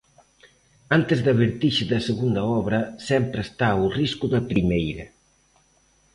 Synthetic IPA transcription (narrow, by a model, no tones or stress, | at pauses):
ant̪ezðɐβeɾt̪iʃeðɐseɣund̪ɐɔβɾɐsɛmpɾest̪auriskuðɐpɾimejɾɐ